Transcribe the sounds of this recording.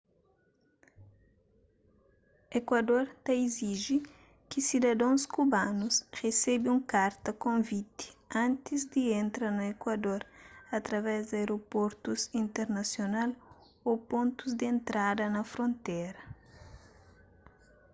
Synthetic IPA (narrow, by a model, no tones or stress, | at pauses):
ekwɐd̪oɾt̪ɐiziʒi | kisid̪ɐd̪õw̃skubanusʁesɛbiũŋkaɾt̪ɐkõvit̪i̥ãnt̪izd̪iẽnt̪ɾɐnuekwɐd̪oɾɐt̪ɾɐvɛzd̪aeɾopoɾt̪usĩnt̪eɾnɐsjonal | opõnt̪uzd̪ẽnt̪ɾad̪ɐnɐfɾõnt̪ɛɾɐ